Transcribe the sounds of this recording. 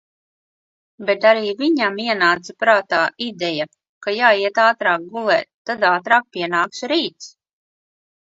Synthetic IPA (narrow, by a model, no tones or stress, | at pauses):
bet̪aɾiːviɲamiɛnaːt̪sapɾaːt̪aːid̪ɛja | kajaːiɛt̪aːt̪ɾaːk̚ɡulˠɛ̰ːt̪t̪ːad̪aːt̪ɾaːk̚piɛnaːkʃɾiːt̪s